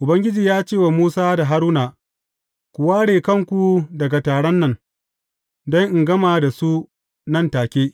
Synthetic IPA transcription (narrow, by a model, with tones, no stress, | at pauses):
ʔʊ˨bɐ˦ŋɡʲɪ˦d͡ʒiː˨jaː˦t͡ʃeː˦˨wa˨muː˦saː˦da˨ɦa˦ɾuː˦naː˨ | kʷʊ˨waː˦ɽeː˨kɐ˦˨ŋkʷu˨dɐ˨ɡa˨taː˨ɽɐ˦nːɐ˨ŋ | dɐ˦ŋʔɪ˨ŋɡɐ˦maː˨da˨su˦ | nɐ˦˨ntaː˨kʲeː˦